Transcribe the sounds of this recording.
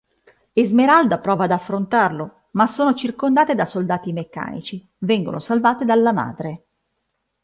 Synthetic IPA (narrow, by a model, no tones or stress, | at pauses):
ezmeɾald̪apɾɔːvaːd̪afːɾont̪arlo | masoːnot͡ʃirkond̪aːt̪ed̪asold̪aːt̪imekːa̰ːnḭt͡ʃi | vɛŋɡo̰nosalvaːt̪ed̪alːama̰ːd̪ɾe